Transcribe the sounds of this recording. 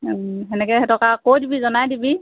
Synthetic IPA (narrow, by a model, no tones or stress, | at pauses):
ɦɛnɛkɛhɛtʰɔkakojdibizɔnajdibi